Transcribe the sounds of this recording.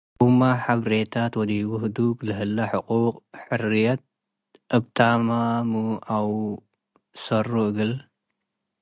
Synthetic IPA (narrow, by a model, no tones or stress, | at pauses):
umaħaβɾet̪ʰat̪wɔd̪iwʊhɨd̪uklɨɦɨlːɐħʊqʼuqʼħɨrijɐt̪̚ | ʔɨbt̪ʰamamuaw | sɐruɨɡɨl